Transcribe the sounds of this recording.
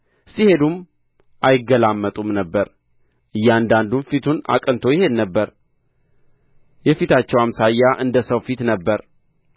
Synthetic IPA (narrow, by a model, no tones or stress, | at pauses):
sihe̞d̪um | ʔajɪɡːəlamːət̪ʼumnəbːəɾ | ʔɨjːand̪and̪umfit̪ʰuna̰kʼɨnt̪ʰo̞jɪhe̞d̪nəbːəɾ | jɛfit̪ʰat͡ʃːɛwamsajːaʔɨnd̪əsəwfit̪nəbːəɾ